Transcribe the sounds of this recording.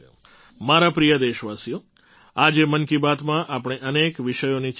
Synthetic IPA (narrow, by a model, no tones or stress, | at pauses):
o̰ | maɾapɾijəd̪eʃʋasijo | ad͡ʒemənkibat̪mãʔapɽ̃eʔənekʋɪʃəjonit͡ʃ